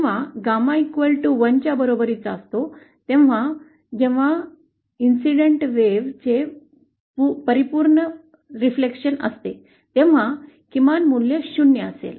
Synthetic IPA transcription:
ʋ̤aɡamãikʋəlʈuʋənt͡ɕjabəɾobəɾit͡səst̪o | t̪ẽʋʋ̤a | d͡ʑeʋ̤a | insiɽeɳʈʋeʋt͡se | pupəɾipuːɾɳə | ɾiflekɕənə̰st̪e | t̪ẽʋ̤a | kimanmulːjeɕunjəəsḛl

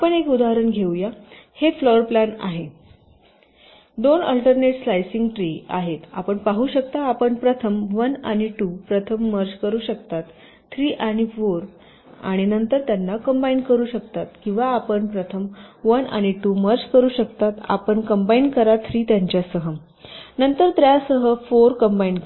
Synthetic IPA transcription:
apəɳekud̪aɦɾəɳɡʱewjahefloəɾplana̰ɦe | d̪onə̰lʈəɾneʈslajsiŋɡʈɾiːa̰ɦet̪a̰pəɳpaɦuːɕək̚t̪aːpəɳpɾət̪ʰəmʋənaɽ̃iʈupɾət̪ʰəmːəɾd͡ʑkəɾuːɕəkt̪at̪ːʰ | ɾiːʔaɽ̃ifoɾ | a̰ɽ̃inənt̪əɾt̪janːakəmbainkəɾuːɕək̚t̪at̪kĩw̃ʋaːpəɳpɾət̪ʰəmʋəna̰ɽ̃iʈuməɾt͡ɕkəɾuːɕəkt̪at̪a̰pəɳkəmbainkəɾat̪ʰɾiːt̪jaɲt͡ɕjasəɦəm | nənt̪əɾt̪ɾjasəɦəfoɾkəmbaink

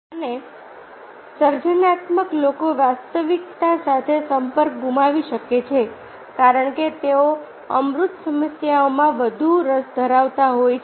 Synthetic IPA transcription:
əne | səɾd͡ʒənat̪məklokoʋast̪əʋik̚t̪asat̪ʰesəmpəɾk̚ɡʱumaʋiʃəket͡ʃʰe | kaɾəɳ̃ket̪eo | əmɾut̪səməsjaomãʋəd̪ʱuɾəsd̪ʱəɾaʋt̪aɦojʰ

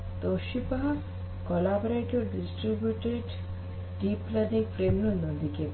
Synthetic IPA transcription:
t̪oʃipa | kolabɾeʈoɾɖisʈɾibjuʈeiɖ | ɖiplanĩŋkfɾemnunɐd̪ike

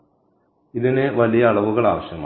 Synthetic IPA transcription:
iðineʋɐlijɐːɭɐʋuɣɐɭa̰ːʋɐɕjɐma̰ː

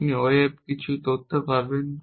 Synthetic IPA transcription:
niɔjeb̚kit͡ɕʰut̪ot̪ʰːepaɾben

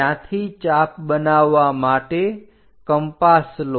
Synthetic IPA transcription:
ãt̪ʰit͡ʃapbənaʋːamaʈe | kəmpasl

